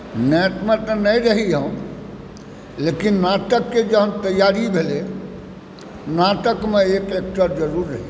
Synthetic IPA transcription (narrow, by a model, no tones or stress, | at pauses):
neːʈmẽt̪ənəĩɾəɦiɦõ | leːkinnaːt̪əkːed͡ʒəɦmt̪əjːaːɾibʱele | naːt̪əkmẽeːkeːk̚ʈəɾd͡ʒəɾuːɾɦɛ